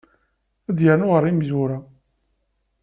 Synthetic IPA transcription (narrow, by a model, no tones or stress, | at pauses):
æðjəɾnuʁəɾˤːimzuɾa